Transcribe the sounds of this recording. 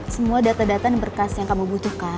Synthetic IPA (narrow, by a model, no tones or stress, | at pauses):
səmuadat̪adat̪adəbərkasjaŋkamubut̪ʊhka